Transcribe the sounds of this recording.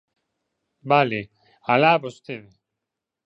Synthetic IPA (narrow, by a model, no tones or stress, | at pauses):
bale | alaːbost̪eðe